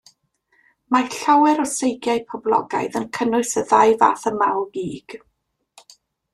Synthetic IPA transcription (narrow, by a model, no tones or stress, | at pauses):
maɬawɛɾɔsejɡjaɨpʰɔblˠɔ̰ɡa̰jðənkʰənʊɨsəðajva̰ːθəmawɡiːɡ̥